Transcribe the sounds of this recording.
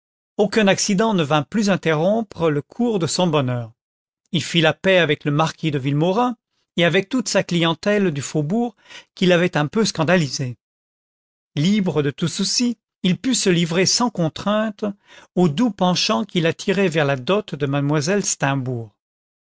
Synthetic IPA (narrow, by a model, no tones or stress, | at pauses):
okɛ̃naksid̪ɑ̃nəvɛ̃plyzɛ̃t̪eʁɔ̃pχələkʰuʁd̪əsɔ̃bɔnœːʁ | ilfilapɛavɛkləmaʁkʲid̪əvilmɔʁɛ̃ | eavɛk̚t̪ut̪saklijɑ̃t̪ɛld̪yfobuːʁ | kʲilavɛt̪ɛ̃pøskɑ̃d̪alize | libʁəd̪ət̪ususi | ilpysəlivʁesɑ̃kɔ̃t̪χɛ̃t̪od̪upɑ̃ʃɑ̃kʲilat̪ʰiʁɛvɛʁlad̪ɔt̪d̪əmad̪mwazɛlst̪ɛ̃buːʁ